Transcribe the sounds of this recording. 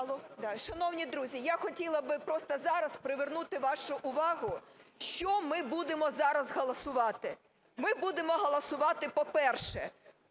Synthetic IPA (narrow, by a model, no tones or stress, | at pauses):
ɐlˠɔd̪ɑʃɐnɔwnʲid̪ɾuzʲijaxɔtʲilˠɐbɪpɾɔst̪ɐzɑɾɐspɾɪʋernut̪ɪʋɑʃʊʔʊʋɑɦʊʃt͡ʃɔmɪbud̪emɔzɑɾɐzɦɔlˠɐsʊʋɑt̪ɪ | mɪbud̪emɔɦɔlˠɐsʊʋɑt̪ɪpɔpɛrʃɛ